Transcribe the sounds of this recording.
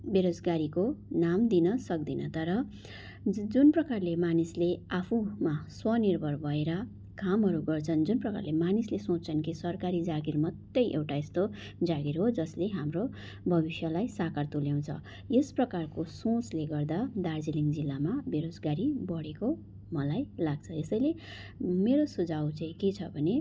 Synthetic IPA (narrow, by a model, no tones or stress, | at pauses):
beɾod͡zɡaɾikonamd̪inʌsʌk̚d̪inʌ̰t̪ʌɾʌ | d͡zunprʌkarlemanisleapʰũmaswʌnirbʱʌrbʱʌeɾʌ | kʰamɦʌɾuɡʌrt͡sʰʌnd͡zunprʌka̰rlemanislesõt͡sʰʌnkʰisʌrkaɾid͡zaɡirmʌt̪ːjʌjʔḛwʈaest̪o | d͡zaɡirɦod͡zʌsleɦamro | bʱʌbisjʌlajsakart̪uljaw̃t͡sʰʌ̰ | jesprʌkarkosõt͡sleɡʌrd̪ad̪ard͡ziliŋd͡zilːamabeɾosɡaɾibʌɽeko | mʌlajlaɡ̚t͡sʰʌesʌjle | meɾosud͡zawt͡sãĩket͡sʰʌbʱʌne